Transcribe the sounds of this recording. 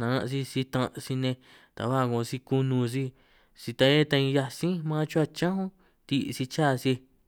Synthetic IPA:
nã˧nã̰˧ʔsi˧si˧t̪ã˧si˧nẽ˧ | t̪a̰˨βa˦˨kõ˧˨˧si˧ku˧nũ˧s̬i˧ | si˧t̪ã˧e˦t̪a˧ĩ˧ja˧sĩ˦mãː˦t͡ʃu˦a˧t͡ʃã˦hõ˦ | t̪i˧si˧t͡ʃaː˦˨si˧

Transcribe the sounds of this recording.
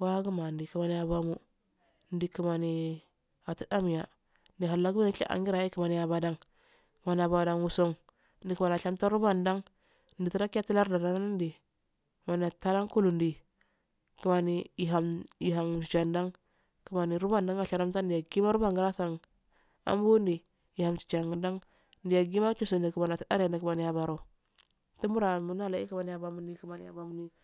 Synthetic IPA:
wa˦ɡu˦ma˨n˨di˨ki˨ma˨ni˨a˨ba˦mu˦ | n˦di˨ki˨ma˨ni˨ | a˨ti̥˦da˦m˨ja˨ | n˦di˨ɦa˨lːa˨ɡu˦ma˦ni˦ḭ˦ʔa̰˨ŋɡi˦ɾa˨ji˦ki˨ma˨ni˨ja˨ba˨da˦ŋ | kma˨ni˨a˨ba˨da˨ŋwu˨so˦ŋ | n˦di˨ki˨ma˨n˨a˨ʃa˦mta˦ɾu˦ba˦˨nda˦ŋ | n̩˦di˨ti˦ɾa˦ki˦a˦ti˦la˦ɾda˨da˦n˦n˦n˦di˨ | kma˨ni˨a˨ta˦da˦ŋku˦lu˨ndi˨ | ki˨ma˨ni˨i˨ɦa˨mi˨ɦa˨m˨t͡ʃi˨t͡ʃa˨nda˦ŋ | ki˨ma˨ni˨ɾu˦ba˦˨nda˦ŋa˨ʃa˨ɾa˦mta˦ndi˨a˨ɡi˦ma˦ɾu˦ba˦ŋɡi˦ɾa˦sa˨ŋ | a̰˦m˦bu˦ndi˨ | i˨ha˨mt͡ʃi̥˨t͡ʃa˨ŋɡi˨da˦ŋ | ndi˨ja˨ɡi˦ma˦t͡ʃu˦˨so˨ndi˨ki˨ma˨na˨ta˦ɾa˨ni˨ki˨ma˨ni˨ja˨ba˨ɾo˨ | ti˦mu˦ɾa˨mu˨na˦˨la˨˦i˦ki˨ma˨ni˨ja˨ba˨mu˨˦ni˨ki˨ma˨ni˨ja̰˨ba˨mu˦ni˦

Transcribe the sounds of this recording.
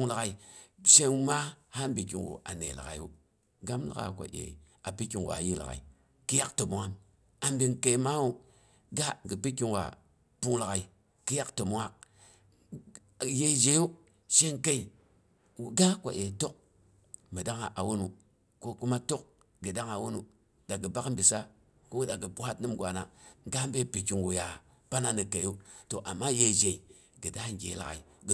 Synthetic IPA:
ŋla˨ɣa˨i˨ʃe˦ŋ˦ma˦ha˦m˦bi˨kḭ˨ŋɡṵ˨ʔa̰˨nḛ˨la̰˨a̰˨jṵ˦ | ɡa˦mla̰˦ɣa̰˨kʷo̰˨ʔḛ˨ | a˨pi˦ki˨ŋw̰a̰˨ji˦la̰˨ɣa̰˨ḭ˨ | ki˦ja˦kto˨mu˨ŋa˦m | a˨mbi˨ŋke˨ma˦u˦ | ɡa˦ɡi˨pi˦ki˦ŋwa̰˨ | pu˦ŋla˨ɣa˨i˨ | ki˦ja˦kto˨mu˦ŋa˦˨ | je˦d͡ʒe˨˦ju˦ | ʃe˦ŋke˦i˨ | wu˨ɡa˦kʷa̰˨ʔe˨to˦k̚ | mə˨da˦ŋa˨ʔa˨wo˦nu˨ | ko˦ku˦ma˦to˦k̚ | ɡɨ˨da˦ŋa˨wo˦nu˨ | da˨ɡə˨ba˦m˦bi˨sa˦ | ko˦u˦da˨ɡə˨bu˨ha˦tnɨ˦mɡʷa˨na̰˨ɡa˦m˦be˦pi˨ki˨ŋɡu˨ja˨ | pa˦na˦nɨ˨ke˨˦u˦to˨ʔa˨mːa˦je˨d͡ʒe˨i˨ | ɡɨ˨da˦˨ɡḛ˨˦la̰˨ɣa̰˨i˨ɡ

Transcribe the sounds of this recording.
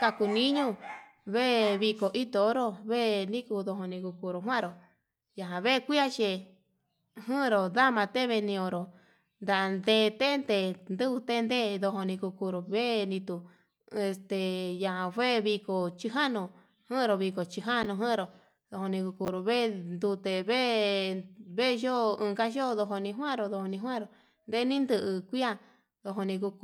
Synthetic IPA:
ka˧ku˧nĩ˦ɲũ˦ | βe˦˧βi˧ko˨ʔi˦t̪o˧o˦ɾo˦βe˦˧nĩ˦ku˧ðo˧˨ɦo˧nĩ˧ku˧ku˧ɾo˨ɦw̃ã˦˨ɾo˨ | ja˨ɦã˨βe˦˧kʷi˦a˦t͡ʃe˧˨ | ɦɨ̃˦˧ɾo˨ða˦mã˧t̪e˦βe˧nĩ˧õ˧ɾo˨ | nd̪a˨ʔa˧nd̪e˧t̪e˦nd̪e˧nd̪ɨ˦βu˧t̪e˦nd̪e˦˧ðo˧ɦo˧nĩ˧ku˧ku˧ɾo˨βe˦nĩ˧t̪u˧ | e˧st̪e˨jã˨˧a˧ɸʷe˦˧βi˧ko˨t͡ʃi˧ɦa˦nũ˧ | hɨ̃˦˧ɾo˧βi˧ko˨t͡ʃi˧ɦa˦˧nũ˧ɦɨ̃˦˧ɾo˨ | ðo˧ho˧nĩ˧ku˧ku˧˨ɾo˨βe˦˧nd̪u˧t̪e˨βe˦ | βe˦˧ʒo˦ɨ̃ː˧ka˦ʃo˦˧ðo˧ɦo˧nĩ˧ɦwã˦ɾo˧ðo˧ho˧nĩ˧ɦwã˦ɾo˨ | nd̪e˦nĩ˦nd̪ɨ˧ʔɨ˧kʷi˦a˦ | ðo˧ɦo˧nĩ˧ku˧k

